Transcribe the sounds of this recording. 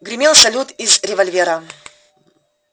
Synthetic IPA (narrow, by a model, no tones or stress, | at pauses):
ɡɾʲɪmʲelˠsɐlʲut̪izɾʲɪvɐlʲvʲeɾə